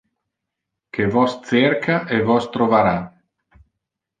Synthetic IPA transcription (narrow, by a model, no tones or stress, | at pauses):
kevɔst̪serkʰaʔevɔst̪ɾovaɾa